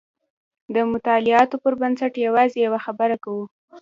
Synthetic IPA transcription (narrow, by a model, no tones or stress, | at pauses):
d̪əmʊt̪ɑlɪɑt̪opəɾbansaʈjawɑzejawaxabəɾakawu